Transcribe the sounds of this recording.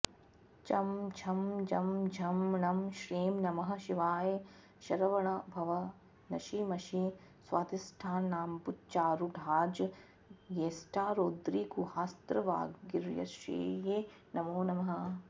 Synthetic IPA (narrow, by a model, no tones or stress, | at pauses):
t͡ʃɐmt͡ʃʰɐmd͡ʒɐmd͡ʒʱɐmnɐmʃɾiːmnɐmɐɦɐ̆ʃiʋaːje | ʃɐɾɐʋɐɳɐbʱɐʋɐ | nɐʃimɐʃi | sʋaːt̪isʈʰaːnːaːmput͡ʃaːɾuɖʱaːd͡ʒ | jeːsʈʰaːɾoːd̪ɾiːkuhaːst̪ɾɐʋa̰ːɡiɾjɐ̰ʃḛːjeː | nɐmoːnɐmɐɦɐ̆